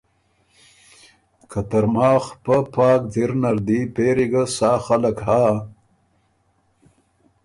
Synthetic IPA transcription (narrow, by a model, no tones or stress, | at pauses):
kʰat̪əɾmɑːxpapɑːkd̪iɾnaɾd̪ipeɾiɡasaːxaləkhaː